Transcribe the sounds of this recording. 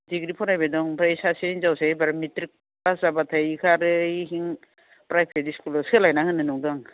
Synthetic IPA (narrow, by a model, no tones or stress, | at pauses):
diɡɾipʰɔɾajbadɔŋpʰɾaisaseiŋzawsaibaɾmitɾik̚ | bazabatʰajikʰaɾɯiɦiŋ | pɾajpʰeɾiskulɔskʰɯlajnahɯnɯnɔdaŋ